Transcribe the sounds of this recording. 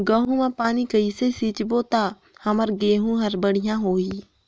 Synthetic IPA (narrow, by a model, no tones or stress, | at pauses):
ɡəɦũmãpaːnikɐisesiːt͡ʃboːt̪a | hɐməɾɡeːɦũɦɐɾbəɽ̤ijãɦoːiː